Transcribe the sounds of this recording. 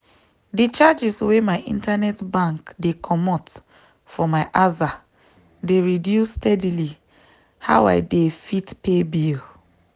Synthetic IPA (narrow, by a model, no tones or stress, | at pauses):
dit͡ʃad͡ʒiswemaɪʔḭ̃ntanɛtbãŋkdekʰɔmɔt | fɔmaɪʔaza | deɹidjustɛdili | ha̰ʊa̰ɪdefitpebil